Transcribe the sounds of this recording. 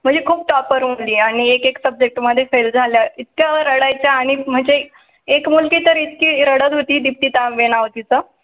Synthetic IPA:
m̤əɳd͡zekʰuːb̚ʈɔpəɾmuliːaɽ̃iekeksəb̚d͡ʑek̚ʈməd̪ʱːjefeld͡zʱaljait̪̚kjaɾəɽajt͡ɕjaːɽ̃im̤əɳd͡ze | ekmulkiːt̪əɾit̪kiːɾəɽət̪ɦot̪iːd̪ip̚t̪iːt̪ãʋeɽ̃aʋt̪it͡sə

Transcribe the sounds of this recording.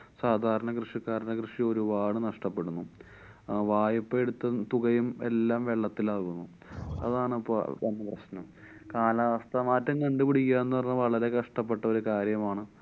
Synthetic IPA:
saːd̪ʱaːɾɐɳɐkrɨʂikːaːɾɐnɐkrɨʂio̞ɾubaːɽɨnɐʂʈɐpːe̞ɽunːu | ʋaːjɐpːɐeɽut̪ːɐt̪uɣɐjumḛlːaːmʋe̞ɭːɐt̪ːilaːɣunːu | ɐ̰ðaːɳɐpːo̰enːɐprɐɕnɐm | kaːlɐaʋɐst̪ʰɐmaːtːɐŋkɐɳɖupiɽikʲːiːaːenːɨpɐrɲːuʋɐɭɐɾe̞kɐʂʈɐpːe̞ʈːɐo̞ɾukaːɾjɐmaːɳɨ

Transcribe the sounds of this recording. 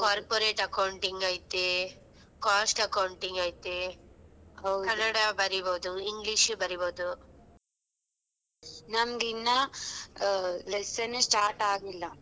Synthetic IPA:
kaːɾpoɾeːʈɐkɐwɳʈiŋɡaːjt̪e | kaːsʈɐkɐwɳʈiŋɡaːjt̪e | ɦɐwɐnɐɽabɐɾiboːd̪uiŋɡliʃbɐɾiboːd̪u | nɐmɐɡinːɐ | lesɐnsʈaːɾʈaːɡilːɐ

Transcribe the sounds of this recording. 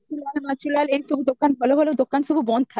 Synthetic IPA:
t͡ɕulalmat͡ɕulalejʃubʱud̪okːanbʱɔloɦolod̪okːanʃubʱubɔnd̪t̪ʰa

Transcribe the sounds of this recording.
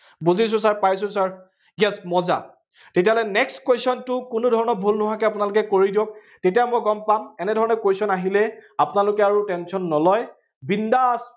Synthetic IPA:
buzis̬ʊ̃saɹpajs̬ʊ̃saɹ | jɛsmɔza̰ | tet̬iaɦɔlɛnɛkskwesɔntʊkʊnʊdʱɔɹɔnɔɹbʱulnʊɦakɛapʊnalʊkɛkoɹidiõk | tetijamɔjɡɔmpamɛnɛdʱɔɹɔnɔkwesɔnaɦilɛapʊnalʊkɛaɹutɛnsɔnːɔlɔj | bindas

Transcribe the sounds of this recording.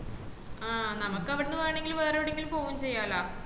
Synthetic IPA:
aːnɐmɐkːɐʋiɽenːɨʋaːɳeŋɡilʋeːrɐʋiɽeŋɡilpo̞ːɣumt͡ɕe̞jːaːlaː

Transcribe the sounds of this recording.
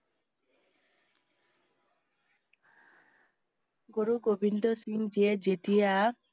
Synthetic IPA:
ɡoɾuɡobʱindɔsiŋd͡ʒied͡ʒetija

